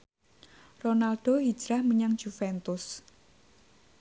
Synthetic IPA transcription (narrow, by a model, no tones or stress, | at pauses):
ronalɖ̥oɦid̥d͡ʒ̥ɾahməɲaŋd̥d͡ʒ̥ufɛnt̪ʊs